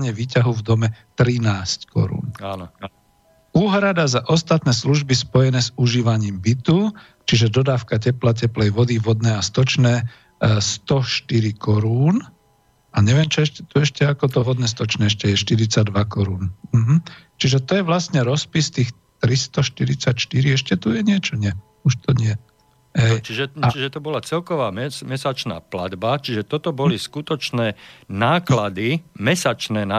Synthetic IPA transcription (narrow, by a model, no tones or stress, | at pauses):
ɲɛʋiːcaɦuvd̪ɔmɛt̪ɾinaːsckɔ̰ɾṵːna | uːɦɾad̪azaʔɔst̪at̪nɛːsluʒbispɔjɛnɛːzuʒiːʋaɲiːmbit̪u | t͡ʃiʒɛd̪ɔd̪aːfkacɛplac̬ɛplɛjʋɔd̪iʋɔd̪nɛːast̪ɔt͡ʃnɛː | st̪ɔʃt̪iɾikɔɾuːn | ʔaɲɛʋɪɛmt͡ʃɔɛʃɛt̪ɔɛʃcɛakɔt̪ɔʋɔd̪nɛs̬t̪ɔt͡ʃnɛːɛʃcɛjɛʃt̪iɾit͡saɟd̪ʋakɔɾuːnm̩ɦm̩t͡ʃiʒɛt̪ɔjɛʋlasɲɛɾɔspist̪iːx | t̪ɾist̪ɔʃt̪iɾit͡sacʃt̪iɾiɛʃcɛt̪ujɛɲɪɛt͡ʃɔɲɪɛ | uʃt̪ɔɲɪɛ | ɦɛjt͡ʃiʒɛat͡ʃiʒɛt̪ɔbɔlat͡sɛlkɔʋaːmɛmɛsat͡ʃna̰ːpla̰d̪bat͡ʃiʒɛt̪ɔt̪ɔbɔliskut̪ɔt͡ʃnɛːnaːklad̪imɛsat͡ʃnɛːna